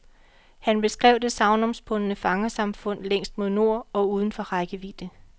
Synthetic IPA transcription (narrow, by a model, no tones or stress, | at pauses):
hænb̥e̝sɡ̥ʁɛʊd̥e̝sɑ̈ʊnɒ̽msb̥ʰɔnənəfɑ̈ŋɐsɑ̈mfɔ̽n̰leŋ̰sd̥̚mo̝ðˠno̝ɐ̰ɒ̽uːð̞ˠn̩fɒ̽ʁɑ̈ɪɡ̥əʋḭːd̥ə